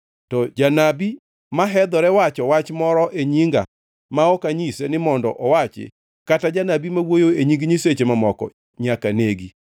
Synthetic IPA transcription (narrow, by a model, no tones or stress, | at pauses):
tɔd͡ʒanabi | maɦɛd̪ɔɾɛwat͡ʃɔwat͡ʃmɔɾɔʔeɲiŋɡa̰ | maɔkaɲisenɪmɔndɔ̰ʔɔwat͡ʃɪ̰ | katad͡ʒanabimawojoeɲiŋɡɲiset͡ʃemamɔkɔ̰ | ɲakaneɡi